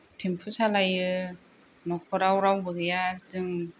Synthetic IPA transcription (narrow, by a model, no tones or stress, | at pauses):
tʰempʰɯsalajɯ | nɔkʰɔɾawɾawbɯɡɯjatɯŋ